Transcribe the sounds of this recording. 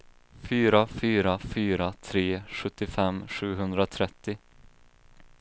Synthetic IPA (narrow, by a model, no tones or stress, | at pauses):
fyːɾafyːɾafyːɾat̪ʰɾeːɧɵt̪ːɪfɛmɧʉ̟ːɦɵnd̪ɾat̪ʰɾɛt̪ːɪ